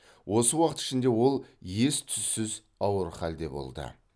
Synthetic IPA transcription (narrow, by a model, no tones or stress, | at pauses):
wʔo̞səwɑqət̪ɪ̥ʃɪnd̪e̞wo̞lˠje̞st̪ʰʏzːɪz | ɑwəɾχɑld̪e̞bo̰lˠd̪ə̰